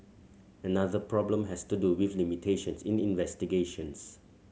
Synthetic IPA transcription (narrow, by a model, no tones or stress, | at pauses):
ənaðəpʰɹɔblə̃mɦɛstuduwiflimitʰeʃə̃nsĩnĩnvɛstiɡeʃə̃ns